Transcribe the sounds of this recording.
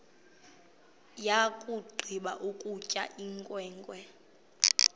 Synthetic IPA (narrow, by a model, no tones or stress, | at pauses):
jakʼuɡ͡ǃʱiɓa̰ʔukʼucʼa̰ʔiŋkʼwɛːŋkʼwɛ